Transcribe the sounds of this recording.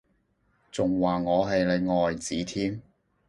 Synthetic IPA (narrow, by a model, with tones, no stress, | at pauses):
t͡sʊ˨ŋwaː˨˩ŋɔː˨˧ɦɐ˨jle˨˧jŋɔː˨jt͡siː˨˥t̪ʰiː˥m